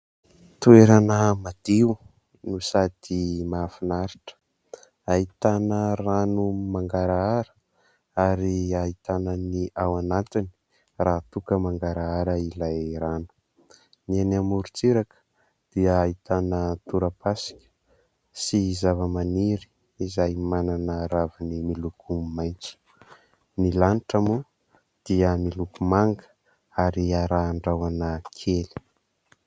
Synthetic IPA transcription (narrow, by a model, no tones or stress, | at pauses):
t̪ueɾanəmad̪̥iu | nusad̪̥imafinaɾiʈ͡ʂə̥ | ait̪anəranumaŋɡaɾaaɾə̥ | aɾiait̪anəniawanat̪ini̥ | rat̪ukəmaŋɡaɾaaɾəilajranu̥ | nienamuɾut͡siɾakə̥ | d̪̥iəːit̪anət̪uɾəpasi̥kʲə̥ | siːzavəmaniɾi̥ː | zajmananəɾavinimilukʰumajnt͡su̥ | nilaniʈ͡ʂamu | d̪̥iəmilukumaŋɡə̥ | aɾiaɾaːɳɖ͡ʐawanəkʰeli̥